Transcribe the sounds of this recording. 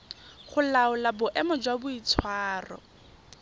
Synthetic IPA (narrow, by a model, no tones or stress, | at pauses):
χʊlaʊlabʊʔɛmɔd͡ʒwabʊit͡sʰwaːrɔ̰